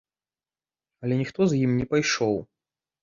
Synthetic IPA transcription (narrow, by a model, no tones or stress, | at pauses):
ɐlʲɛnʲixt̪ɔzjimnʲɛpajʂɔw